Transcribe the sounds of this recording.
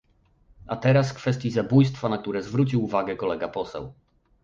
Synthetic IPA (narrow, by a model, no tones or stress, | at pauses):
at̪ɛɾasfkfɛst̪ʲjizabujst̪fanak̚t̪uɾɛzvɾut͡ɕiwuvaɡɛkɔlɛɡapɔsɛ̰w